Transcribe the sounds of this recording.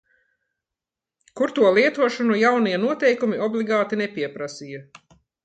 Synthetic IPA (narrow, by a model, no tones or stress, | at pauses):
kuɾt̪uɔlˠiɛt̪uɔʃunujawniɛnuɔt̪ɛjkumiɔblˠiɡaːt̪inepiɛpɾasiːjɐ